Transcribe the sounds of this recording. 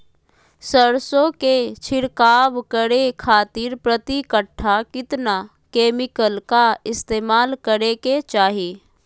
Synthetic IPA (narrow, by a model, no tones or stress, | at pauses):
səɾsõket͡ʃʰɪɽkaːʋkəɾekʰaːt̪ɪɾpɾət̪ikəʈʰːakɪt̪na | keːmɪkəlkaɪst̪eːmaːlkəɾeket͡ʃaːɦeː